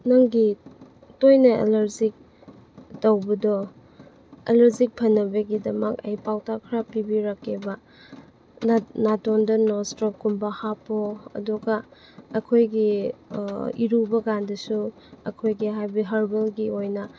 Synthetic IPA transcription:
nɐŋɡi | tojnɐḛlɐɾzik̚ | tɐwbɐdɔ | ḛlɐɾzik̚pʰɐnːɐbɐɡidɐmɐkɐ̰jpawtakʰɾapibiɾakʰːebɐ | natondɐnɔstɾokumbɐhapoɐ̰duɡɐ | ɐkʰojɡi | iɾubɐɡandɐsu | ɐ̰kʰojɡiɦajbiɦɐɾbelɡiojnɐ

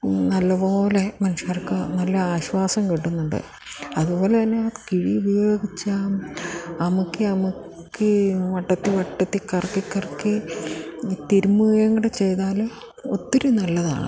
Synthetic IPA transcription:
nɐlːɐpo̞ːle̞mɐnuʂaːrkːɨnɐlːɐaːɕwaːsɐmkiʈːunːuɳɖɨ̰ | ɐðupo̞ːlet̪ɐnːe̞kiɻiubɐjo̞ːɡit͡ɕːaːmɐmukːɨɐmukː | ɨʋɐʈːɐt̪ːiʋɐʈːɐt̪ːikɐrkːikːɐrkːɨ | t̪iɾumːujɐŋːɐɽet͡ɕe̞jt̪aːl | ot̪ːiɾunɐlːɐða̰ːɳɨ̰

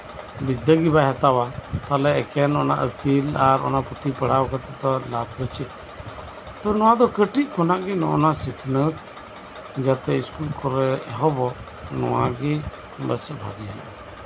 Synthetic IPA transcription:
bid̪əɡibaɦat̪awat̪alɛɛkɛnɔna̰ʔəkilaɾɔ̰naʔput̪ipəɽ̤awkət̪ɛt̪ɔlab̚d̪ɔt͡ʃɛʔ | t̪ɔnɔwad̪ɔkəʈiʔ̚kɔnaʔɡinɔʔnasikʰnət̪ | d͡ʒat̪ɛiskulkʰɔɾɛɦɔbɔ | nɔ̰wa̰ɡi | bəsəbʱa̰ɡiɦa̰

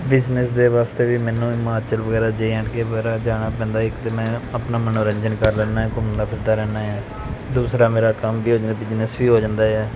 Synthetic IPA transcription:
bɪznəsd̪eːʋaːst̪eːʋiːmɛːnũːɪmaːt͡ʃəlʋəɡɛːɾaːd͡ʒeiɛ̃ʈkeːʋəɡɛːɾaːd͡ʒaːɽ̃aːp̬ɛ̃ːnd̪aːɪkt̪eːmɛ̃ːəpnaːmənoːɾəɲd͡ʒənkəɾlɛːnaːɛːkʊmnd̪aːpʰɪɾd̪aːɾɛːnaːɛː | d̪uːsɾaːmeːɾaːkəmʋiːɦoːd͡ʒd̪bɪd͡ʒnəsʋiːɦoːd͡ʒãːnd̪aːɛː

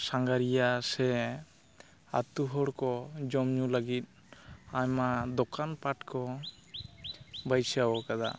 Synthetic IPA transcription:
saŋɡaɾijasɛ | a̰t̪uɦɔɽkɔd͡ʒɔmɲuləɡit̪̚ | aɲmad̪ɔkanpaʈkɔ | bajsawɔkad̪a̰

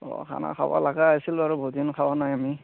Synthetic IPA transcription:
ɔ̰kʰa̰na̰kʰawa̰laɡaajsilʊaɹubʱodinkʰawanajami

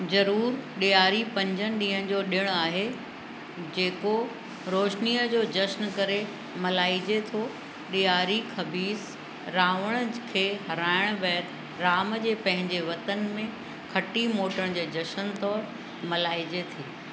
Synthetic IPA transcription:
zɐɾuːɾɗijaːɾipɐ̃ɲd͡ʑənɪ̆ɗĩːɦə̃̆d͡ʑoːɗɪɽ̃aːɦe | d͡ʑeːko | ɾoːʃniːəd͡ʑoːd͡ʑɐʃnkɐɾe | mɐlaːid͡ʑet̪ʰo | ɗijaːɾikʰɐbiːs | ɾaːʋəɽ̃əkʰeːɦɐɾaːɪɽ̃ʋɛːt̪ | ɾaːmd͡ʑeːpɐ̃ɦɪ̃ɲd͡ʑeʋɐt̪ənmẽ | kʰɐʈimoːʈəɽ̃d͡ʑeːd͡ʑɐʃənt̪ɔːɾ | mɐlaːid͡ʑet̪ʰiː

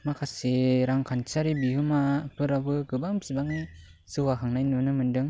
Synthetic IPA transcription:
makʰaseɾaŋkʰant͡ʃaɾibiɦɯmapʰɯɾabɯɡɯbaŋbsibaŋisɯwakʰaŋnajnɯnɯmɯndɯŋ

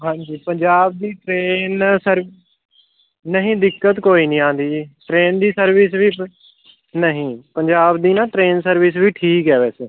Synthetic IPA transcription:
ɦãːɲd͡ʒiːpəɲd͡ʒaːb̚d̪iːʈɾeːnsəɾ | nəɦĩːd̪ɪkːət̪koːiːnĩːãːnd̪iːʈɾeːnd̪iːsəɾʋɪsʋiː | nəɦĩːpəɲd͡ʒaːbd̪iːnãːʈɾeːnsəɾʋɪs̬ʋiːʈʰiːkɦɛːʋɛːseː

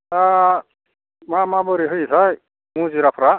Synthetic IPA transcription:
ta | mamabɔɾiɦɯjsʰaj | mũziɾapʰɾa

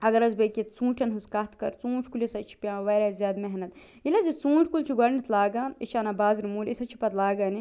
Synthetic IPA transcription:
ɐɡɐɾɐzbekʲit̪t͡sũːʈʰɐnɦɨzkɐt̪kɐ̰ɾt͡sũːt͡ʃʰkulisɐt͡ʃʰi̥pʲjãːʋɐɾaːzjaːd̪meɦnɐt̪ | ilɐzit͡sũːʈʰkult͡ʃʰiɡɐɾnit̪ʰlaːɡaːnit͡ʃʰaːnɐbaːzɾimuːlʲisɐt͡ʃʰi̥pɐt̪laːɡaːni

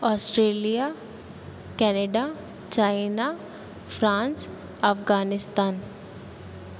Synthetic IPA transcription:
ɔːsʈɾeːlija | kɛneɖa | t͡ʃaːɪna | fɾãːns | ɐfɡaːnɪst̪aːn

